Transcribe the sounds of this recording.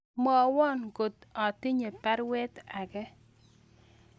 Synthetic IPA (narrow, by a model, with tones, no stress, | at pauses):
mɔ˦˨˦wɔ˦nɡo˨t̪ɔ˨t̪i˦ɲe˨pɛ˦ɾwɛ˦t̪a˨ɡɛ˦